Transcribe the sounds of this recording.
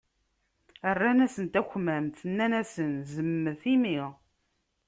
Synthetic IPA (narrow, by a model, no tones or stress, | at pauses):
ərːænæsənt̪æçmæmθənːænæsənzəmːəθimiʁ